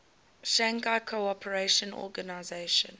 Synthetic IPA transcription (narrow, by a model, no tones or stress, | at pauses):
ʃãŋɡaɪkʰoɔpʰəɹeʃə̃nɔ̰ɡanaɪzeɪʃə̰̃n